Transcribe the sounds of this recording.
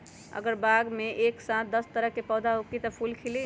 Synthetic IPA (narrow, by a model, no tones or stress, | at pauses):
ə̰ɡəɾbaɡmeʔeksãt̪̚d̪əst̪əɾəkːepɔwd̪aɦukit̪əpʰulkʰili